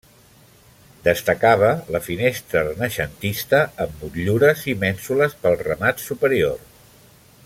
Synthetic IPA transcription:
d̪əst̪əkaβ̞ələfinest̪ɾərənəʃənt̪ist̪əːmːut̪ʎuɾəzimɛnsuləspəlˠrəmat̪supəɾior

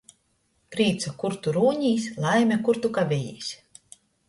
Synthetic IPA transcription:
pɾiːt̪sakuɾt̪uɾuːɲiːsʲlˠajmʲɛkuɾt̪ukavʲejḭːsʲ

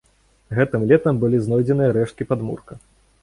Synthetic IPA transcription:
ɣɛt̪ɨmlʲɛt̪ɐmbɨlʲiznɔjd͡zʲɛnɨjɐɾɛʂt̪̚kʲipad̪mṵrkɐ

